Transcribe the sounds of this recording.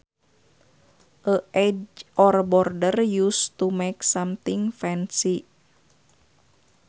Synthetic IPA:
ʔəʔɛd͡ʒʔɔrbɔrdərjust̪umɛksamt̪ɪŋfɛnsi

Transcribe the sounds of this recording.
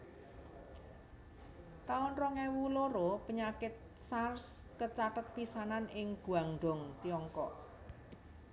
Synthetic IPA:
t̪aɔnrɔŋɛwuloɾopəɲakɪt̪̚sarskət͡ʃaʈət̪̚pisananɪŋɡ̥ṳaŋɳɖɔŋt̪iɔŋkɔʔ

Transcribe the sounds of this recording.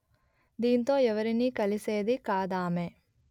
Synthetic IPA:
d̪iːnt̪o̞ːɛʋɐɾiniːkɐliseːd̪ikaːd̪aːme

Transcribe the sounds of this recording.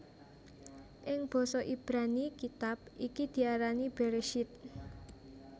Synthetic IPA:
ʔɪŋb̥ɔ̤sɔʔib̥ɾanikit̪ap̚ʔikid̪̥i̤aɾanib̥eɾeʃɪt̪̚

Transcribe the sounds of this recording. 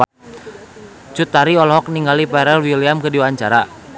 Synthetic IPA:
t͡ʃut̪aɾiɔlɦɔk̚niŋɡalipɛɾɛlwiliamkədiwaːɲt͡ʃaɾa

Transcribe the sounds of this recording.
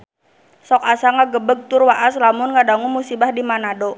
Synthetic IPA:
sɔkasaŋaɡəbəɡ̚t̪ʊrwaʔaslamʊnŋadaŋumusibahdimanado

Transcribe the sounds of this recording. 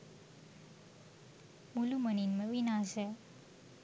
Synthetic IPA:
muluməninməʋinaːʃɛ

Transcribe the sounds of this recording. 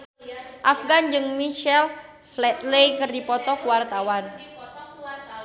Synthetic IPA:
ʔafɡand͡ʒɨŋmiʃɛl | flɛt̪̚lejkɨrdipɔt̪ɔkuwart̪awan

